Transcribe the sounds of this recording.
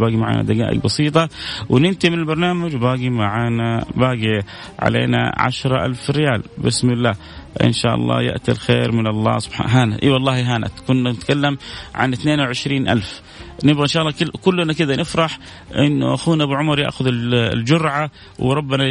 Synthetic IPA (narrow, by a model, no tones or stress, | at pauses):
baːɡimaʕa̰ːna̰d̪aɡa̰ːʔɪ̰ɡbɑsiːt̪̬ˤɑwɪnɪnt̪imɪnɪlbɑɾˤnaːmad͡ʒbaːɡimaʕaːnabaːɡi | ʕa̰lḛːna̰ʕa̰ʃɾˤɑʔa̰lfrɪjaːlbɪsmɪlːaː | ʔɪ̰nʃaːʔɑ̰lˤːɑ̰ːjɪ̰ʔt̪ḭlxeːɾmɪnɑlˤːɑ̰ːsʊbħa̰ɦaːnaʔiwɑlˤːɑːhiɦaːnʔa̰t̪kʊnːanɪt̪kalːamʕa̰nɪt̪neːnwʕɪʃɾiːnʔa̰lf | nɪbɣaʔɪnʃaːʔɑlˤːɑːkɪkʊlːnakɪd̪anɪfɾˤɑħ | ʔɪnːʊ̰ʔaxuːnaʔbuʕʊmɑɾˤja̰ʔxʊðɪlld͡ʒʊɾʕa | wɾˤɑbːɪna